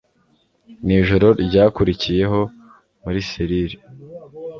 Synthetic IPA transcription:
niːʒo̞ɾo̞ɾɟaːkuɾicije̞ɦo̞ | muɾisiɾiɾi

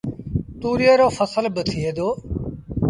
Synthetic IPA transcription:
t̪uːɾijəːɾoːfʰəsəlbət̪ʰieːd̪oː

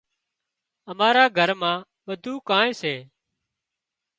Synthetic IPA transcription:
əmaːɾaːɡʱəɾmãː | ʋəd̪ʱuːkãːẽːseː

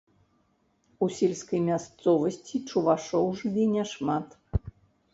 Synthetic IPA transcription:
usʲelʲskɐjmʲast̪sɔvɐsʲt͡sʲit͡ʂuvaʂɔwʐvʲinʲɛʂmat̪

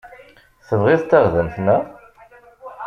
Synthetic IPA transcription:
θəvʁɪðt̪ːaʁðəmθnæ

